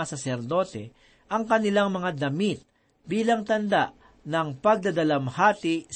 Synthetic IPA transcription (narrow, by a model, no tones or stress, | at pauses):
asɐsɛɾd̪o̞ːt̪ɛ | ʔɐŋkɐnɪlaŋmɐŋad̪ɐmit̪̚ | biːlɐŋt̪ɐnd̪aʔ | nɐŋpɐɡ̚d̪ɐd̪ɐlɐmhaːt̪ɪs